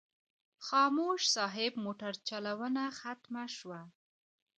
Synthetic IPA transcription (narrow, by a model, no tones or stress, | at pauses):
xɑmoʃsɑɦɪb̚moʈaɾt͡ʃalawənaxat̪maʃwa